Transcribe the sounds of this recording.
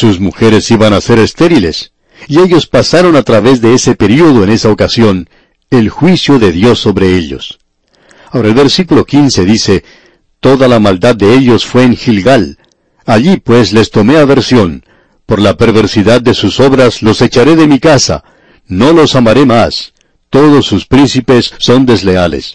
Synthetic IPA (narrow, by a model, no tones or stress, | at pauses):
susmuxe̞ɾe̞siβanase̞ɾe̞st̪e̞ɾile̞s | ieʎo̞spasaɾo̞nat̪ɾaβe̞zðe̞ese̞pe̞ɾioðoene̞saokasjo̞n | e̞lxwisjo̞ðe̞ðjo̞sːo̞βɾe̞e̞ʎo̞̰s | aoɾaelβe̞ɾsikulo̞kinse̞ðise̞ | t̪o̞ðalamald̪ad̪ːe̞eʎo̞sfwe̞ːŋxilɡal | aʎipwe̞sle̞st̪o̞me̞aβe̞ɾsjo̞n | po̞ɾlape̞ɾβe̞ɾsiðad̪̚ːe̞suso̞βɾaslo̞se̞t͡ʃaɾe̞ðe̞mikasa̰ | no̞lo̞samaɾe̞mas | t̪o̞ðo̞sːuspɾinsipe̞sːo̞nd̪e̞zle̞ale̞̰s